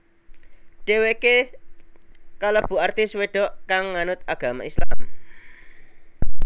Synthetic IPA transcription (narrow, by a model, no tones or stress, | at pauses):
ɖ̥eweke | kaləb̥ṳart̪ɪsweɖ̥ɔ̤ʔkaŋːanʊt̪̚aɡ̥a̤ma̰ʔisla